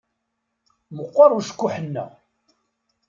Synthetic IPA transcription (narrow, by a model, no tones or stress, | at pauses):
məqʷːɑɾˤuʃə̥kːʊħənːæ̰